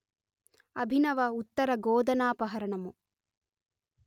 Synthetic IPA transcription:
ɐbʱinɐʋɐut̪ːɐɾɐɡoːd̪ɐnaːpɐɦɐɾɐɳɐmu

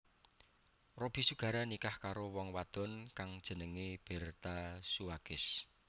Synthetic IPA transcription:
rob̥i̤suɡ̥ä̤ɾanikahkaɾowɔŋwad̪̥ɔ̤nkaŋd̥ʒ̥ə̤nəŋeb̥ɛ̤rt̪asuwaɡ̥ɪs

